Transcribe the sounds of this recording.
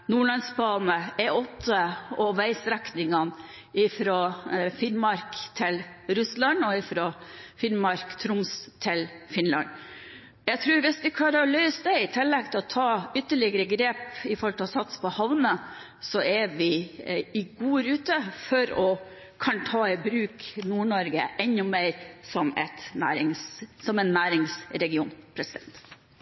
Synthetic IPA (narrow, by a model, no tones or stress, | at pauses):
nuːɭɑnsbɑːnəɛʔɔt̪ʰːəɔʋæɪsɾæknɪŋɑn | ɪfɾofɪnmɑɾkt̪ʰɪlɾʉslɑnɔɪfɾofɪnmɑɾkt̪ʰɾʊmst̪ʰɪlfɪnlɑ̰n | jæɪɡt̪ʰɾʉːɾʋɪsʋɪkʰlɑːɾɔlœʏsd̪æɪt̪ʰɪlːɛɡ̚t̪ʰɪlɔt̪ʰɑːʏt̪ːəɭɪɡəɾəɡɾeːpɪfɔɾɔlt̪ʰɛɔsɑt̪spʰɔhɑʋnə | sɔɛʋɪɪɡuːɾʉːt̪əfɔɾɔ | kʰɑnt̪ʰɑːɪbɾʉːknuːɳɔɾɡə̰ʔɛnʊmeɪɾsɔmɛ̰t̪næ̰ːɾɪŋssɔmɛnːæːɾɪŋsɾɛɡɪuːnpʰɾɛsɪd̪ɛnt̪